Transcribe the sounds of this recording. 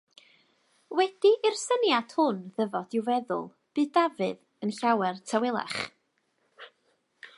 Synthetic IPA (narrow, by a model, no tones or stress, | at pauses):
wɛd̥iʔɪrsənjad̥hʊnðəvɔd̥ɪwvɛðʊ̰lˠ | b̥ɨːdavɨ̰ð | ənɬawɛrtʰawɪlˠa̰χ